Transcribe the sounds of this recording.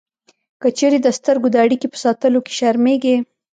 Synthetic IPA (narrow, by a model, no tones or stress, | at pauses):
kət͡ʃeɾed̪əst̪əɾɡod̪əaɽikepə̥sɑt̪əloke̥ʃaɾmeɡe